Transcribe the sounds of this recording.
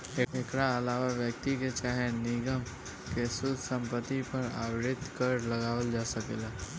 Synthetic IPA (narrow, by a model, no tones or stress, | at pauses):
eekɾaəlaːʋaʋjək̚t̪iket͡ʃaːɦenɪɡəm | kesʊd̪ʱsə̃mpət̪ːipəɾa̰ːwɾɪt̪kəɾləɡaːʋəld͡ʒaːsəkeːlaː